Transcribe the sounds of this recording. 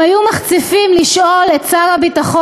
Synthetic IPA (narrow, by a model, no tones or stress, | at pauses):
ajumaχt͡sifimliʃʔo̞lett͡saʁabitaχo